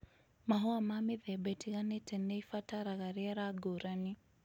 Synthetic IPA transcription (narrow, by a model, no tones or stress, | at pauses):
maɦɔamamiðɛbɛtʰiɣanɛtʰɛnɛifataɾaɣaɾiaɾaɡoɾani